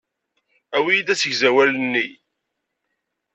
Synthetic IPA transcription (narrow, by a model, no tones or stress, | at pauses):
æwijid̪æsəʝzæwælənːi